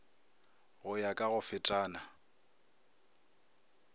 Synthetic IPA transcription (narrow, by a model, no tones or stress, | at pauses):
ɣʊjakʼaɣʊfɪtʼaːna